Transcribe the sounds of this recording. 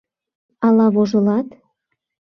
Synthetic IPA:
ɑlɑβoʒəlɑt̪

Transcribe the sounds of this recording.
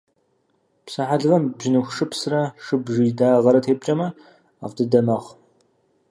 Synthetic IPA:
psɨħaɮɨvɐmbʒɪnɨxʷʂɨpsrɐʂɨbʒidaːʁɐɾɐtʰeːb̚t͡ʃʼɐmɐ | a̰ʁdɨdɐmɐʁ

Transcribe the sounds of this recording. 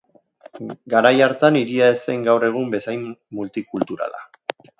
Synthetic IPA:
ɡaɾajaɾt̪aniɾiaese̞ŋɡawre̞ɣ̞umbe̞sajmːult̪ikult̪uɾa̰la̰

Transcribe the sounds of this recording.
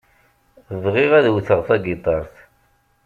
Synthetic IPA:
ðˤʁiʁæðwθəʁθɑɡit̪ˤɑɾˤθ

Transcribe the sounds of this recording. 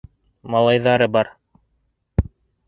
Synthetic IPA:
mɑlˠɑjðɑɾɤbɑɾ

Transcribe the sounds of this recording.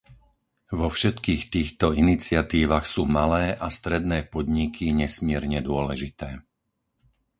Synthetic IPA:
ʋɔfʃɛt̪kiːxt̪iːxt̪ɔinit͡sɪat̪iːʋaxsuːmalɛːʔast̪ɾɛd̪nɛːpɔd̪ɲikʰiɲɛsmɪɛɾɲɛd̪ʊɔlɛʒit̪ɛː

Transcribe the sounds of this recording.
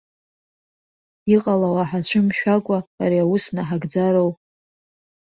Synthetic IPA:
iqʼalawaħat͡ɕʷʰʊmʃᶣakʷʼa̰ːɾiawusnaħaɡd͡zaɾow

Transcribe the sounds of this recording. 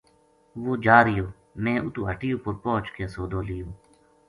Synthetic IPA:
ʋoːd͡ʒaːɾɪjoː | mẽːʔʊt̪uːɦəʈɪjõːpʊɾpoːt͡ʃkeːsoːd̪oːlɪjoː

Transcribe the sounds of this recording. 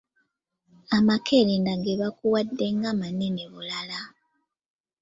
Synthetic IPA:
amakʰelendaɡeβakuwadːe̞ŋɡamaneneβulala

